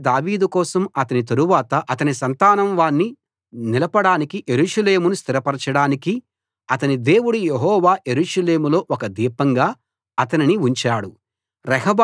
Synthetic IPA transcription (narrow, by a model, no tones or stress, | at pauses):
d̪aːʋiːd̪ukɔːsɐmɐt̪ɐnit̪ɐɾuʋaːt̪ɐʔɐt̪ɐnisɐnt̪aːnɐmʋaːnːi | nilɐpɐɽaːnikiʔeɾuːʂɐle̞ːmunust̪iɾɐpɐɾɐt͡ʃɐɽaːniki | ɐt̪ɐnid̪e̞ːwuɽujeɦɔːʋaːjeɾuːʂɐle̞ːmulo̞ːʔɔkɐd̪iːpɐŋɡaː | ɐt̪ɐniniuɲt͡ʃaːɽu | ɾɛɦɐb